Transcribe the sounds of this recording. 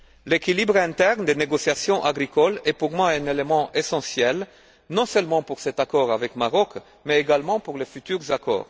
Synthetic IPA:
lekilibʁɛ̃t̪ɛʁnd̪eneɡɔsjasjɔ̃ʔaɡʁikɔlɛpuʁmwaɛ̃nelemɑ̃ʔesɑ̃sjɛl | nɔ̃sœlmɑ̃puʁsɛt̪akɔʁavɛkmaʁɔk | mɛeɡalmɑ̃puʁlefyt̪yʁzakɔ̰ːʁ

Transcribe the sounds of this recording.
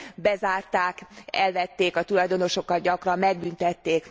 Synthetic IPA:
bɛzaːrt̪aːkɛlvɛt̪ːeːkɒt̪ulɒjd̪o̞no̞ʃo̞kːɒt̪̚ɟɒkrɒmːɛɡ̚bynt̪ɛt̪ːeːk

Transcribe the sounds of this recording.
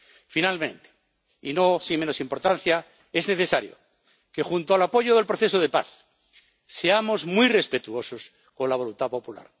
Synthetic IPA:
finalmẽ̞nt̪e̥ | ḭno̞simeno̞simpo̞ɾt̪an̟θja | e̞zne̞θe̞saɾjo̰ | kexunt̪oalapo̞ʝoðe̞lpɾoθe̞soð̞epa̰θ | se̞amo̞zmwujre̞spe̞t̪uo̞sos | ko̞nlaβ̞o̞lunt̪apo̞pula̰ɾ

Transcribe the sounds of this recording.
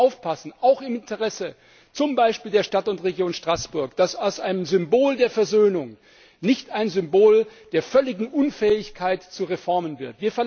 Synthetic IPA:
aʊfpʰasn̩ʔaʊxɪmɪntəʁɛsə | t͡sʊmbaɪʃpiːldeːɐʃtatʊntʁeɡjoːnʃtʁ̥asb̥ʊɐkd̥asaʊsʔaɪnəmzʏmboːldeːɐfɛɐzøːnʊŋ | nɪçtaɪnzʏmboːld̥eːɐfœlɪɡŋ̩ʔʊnfɛːɪçkʰaɪtt͡suʁefɔɐmənvɪɐtv̥iːɐfɛɐ

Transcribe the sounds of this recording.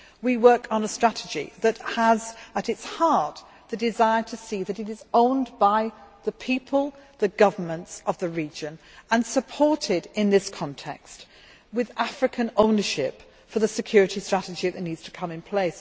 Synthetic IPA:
wiwɜ˞kn̩əstɹ̥æɾɨd͡ʒḭðɨthəzəɾɨtshɑɹt̚ | ðɨdɨzaɪə˞tʰɨsiðɨɾɨɾɨzõʊ̃nbaɪðɨpʰipʰəlˠðɨɡʌvə˞mə̃ntsʌvðɨɹid͡ʒɨ̃n | ə̃nsəpʰɔɹɾɪdɪ̃nðɪskʰɑ̃ntʰɛ̰kst̚ | wɨðæfɹɨkʰɨ̃nõʊ̃nə˞ʃɪp | fə˞ðɨsɨkʰj̥ʊɹɨɾistɹ̥æɾɨd͡ʒiðɨtⁿnidz̥tʰə̥kʰʌ̃mɨ̃npʰl̥eɪs

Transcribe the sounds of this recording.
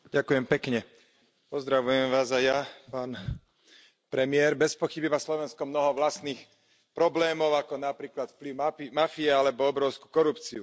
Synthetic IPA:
ɟakujɛmpɛkɲɛ | pɔzd̪ɾaʋujɛmʋaːzajapaːn | pɾɛmɪɛɾbɛspɔxibiʋaslɔʋɛnskɔmnɔɦɔʋlast̪niːx | pɾɔblɛːmɔʊakɔnapɾiːklat̪fpliʊmaimafiɛalɛbɔɔbɾɔʊsku̥kɔɾupt͡siu

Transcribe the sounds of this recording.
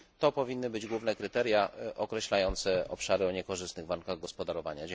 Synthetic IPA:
t̪ɔpɔvʲinːɘbɘd͡ʑɡwuvnɛkɾɘt̪ɛɾʲjaʔɔkɾɛɕlajɔnt̪sɛɔpʂaɾɘɔɲɛkɔʐɘst̪nɘɣvaɾŋkaɣɡɔspɔd̪aɾɔvaɲad͡ʑɛ

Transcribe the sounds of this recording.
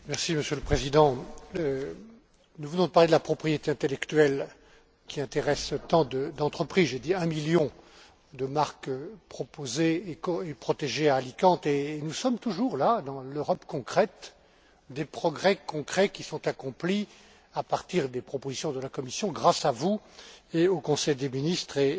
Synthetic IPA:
mɛʁsiməsjøləpχezid̪ɑ̃ | nuvənɔ̃d̪əpaʁled̪əlapχɔpχijet̪eɛ̃t̪elɛkt̪ɥɛl | kʲiɛ̃t̪eʁɛst̪ɑ̃d̪əd̪ɑ̃t̪χəpχizʒed̪iɛ̃miljɔ̃ | d̪əmaʁkpχɔpozeːkɔepχɔt̪eʒeaːlikɑ̃t̪enusɔmt̪uʒuʁlad̪ɑ̃løʁɔpkɔ̃kχɛt̪ | d̪epχɔɡʁɛkɔ̃kχɛkʲisɔ̃t̪akɔ̃pli | apaʁt̪iʁd̪epχɔpozisjɔ̃d̪əlakɔmisjɔ̃ɡʁasavueokɔ̃sɛjd̪eminist̪χe

